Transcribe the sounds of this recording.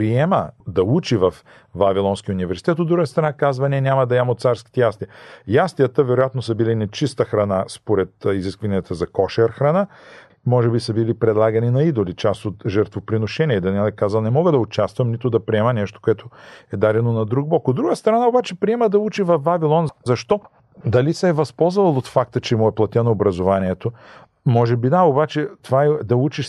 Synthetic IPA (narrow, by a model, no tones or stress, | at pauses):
pɾiɛmə̰d̪ɐut͡ʃivɐf | vavilˠɔnskiunivɛɾsi̥t̪ɛt̪od̪ːɾuɡəst̪ɾɐnakazvɐnɛnʲamɐd̪ɐɛmot̪saɾski̥t̪ɛjast̪iɐjast̪ijət̪əvɛɾojat̪nosəbilinɛt͡ʃist̪əxɾɐnaspoɾɛt̪iziskvɐniət̪əzɐkɔʃɛɾxɾɐna | mɔʒɛbisəbilipɾɛd̪lˠaɡɐninɐid̪olit͡ʃast̪ot̪ʒɛɾt̪vopɾinoʃɛniɛid̪ɐnɛlˠɛkazɐlˠnɛmɔɡəd̪ɐʊt͡ʃast̪vɐmnit̪od̪ɐpɾiɛmənɛʃt̪o̥koɛt̪ʰoɛd̪aɾɛnonɐd̪ɾuɡ̚bɔkod̪ːɾuɡəst̪ɾɐnaobat͡ʃɛpɾiɛməd̪ɐut͡ʃivɐfvavilˠɔnzɐʃt̪ɔ | d̪ɐlisɛːvɐspɔlˠzəvɐlˠot̪fak̚t̪ət͡ʃɛmuɛplˠɐt̪ɛnoːbɾɐzovaniɛt̪o | mɔʒɛbid̪aobat͡ʃɛt̪ovaɛd̪ɐut͡ʃiʃ